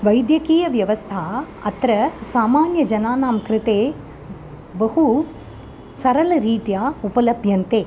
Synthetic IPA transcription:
ʋɐjd̪jɐkiːjɐʋjɐʋɐst̪ʰa | ɐt̪ɾɐsaːmaːnjɐd͡ʒɐnaːnaːmkɾɪt̪eː | bɐɦu | sɐɾɐlɐɾiːt̪jaːupɐlɐbʱjɐnt̪eː

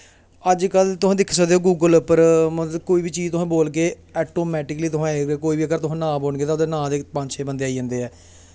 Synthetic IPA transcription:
əd͡ʒkəlt̪ʊsãːd̪ɪkʰsəkd̪eːoːɡuːɡəlpəɾmət̪ləbkoːiːʋiːt͡ʃiːzt̪ʊɦãːboːlk̬eː | ɛːʈoːmɛːʈɪkliːt̪ʊɦãːeekoːiːbiːəɡəɾt̪ʊɦãːnãːboːɳɡeːt̪aːʊd̪eːnãːd̪eːpə̃ɲd͡ʒt͡ʃʰeːbənd̪eːaːiə̃ːnd̪eːɛː

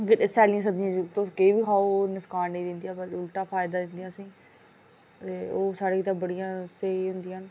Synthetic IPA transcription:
kɪt̪esɛːlijãsəbd͡ʒĩãːd͡ʒt̪okeiːbiːkʰaːoːnɪskaːnːĩːd̪ɪnd̪ijaːbəʊlʈ̪aːpʰaːɪd̪aːd̪ɪ̃nd̪ijãːsĩː | t̪eːoːsaːɽeːkɪt̪ãːbəɽijãːseːɦʊ̃nd̪ɪjãːn

